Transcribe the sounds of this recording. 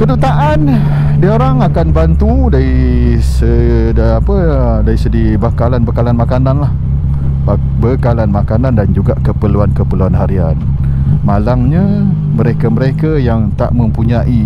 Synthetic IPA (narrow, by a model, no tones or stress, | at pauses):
kədut̪aʔan | diaoɾaŋakanbant̪u | daɾi | sə | dapə | daɾisədi | bakalanbəkalanmakananlah | b | bəkalanmakanandand͡ʒuɡaʔkəpəluankəpəluanɦaɾian | malaŋɲa | məɾekaməɾekajaŋt̪a̰ʔmə̃mpuɲaʔi